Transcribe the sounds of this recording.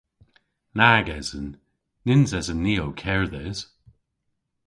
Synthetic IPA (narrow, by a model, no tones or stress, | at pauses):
naːɡɛzənː | ɪnzɛzənːiːowkʰɛɹðɛz̥